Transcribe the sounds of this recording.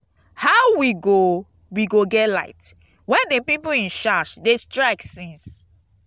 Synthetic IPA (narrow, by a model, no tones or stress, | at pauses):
haʊwiɡo | wiɡoɡɛtla̰ɪt | wɛ̃ndepipoĩnʃaʃdestɹaɪksĩns